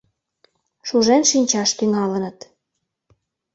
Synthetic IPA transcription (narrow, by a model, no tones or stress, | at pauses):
ʃuʒenʃinʲt͡ɕɑʃt̪yŋɑlənət̪